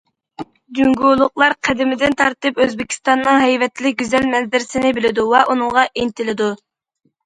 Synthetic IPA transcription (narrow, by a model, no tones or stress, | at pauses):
d̪yŋɡulˠʊqlˠɑɾqʰæd̪ɪmɪd̪ɪnt̪ʰɑɾt̪ɨpøzbɪkʲʰi̥st̪ɑnːɨŋɦɛjvɛt̪ʰːlɪk̚ʲɡʲyzɛlmɛzd̪ɪɾɪsɪnɪbɪlɪd̪uwɛʔunɨŋʁɑʔent̪ʰɪlɪd̪u